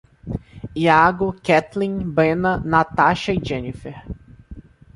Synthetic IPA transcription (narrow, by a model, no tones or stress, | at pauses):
iaɡʊkɛt̪lĩbẽnɐnat̪aʃɐɪʒẽnifeɾ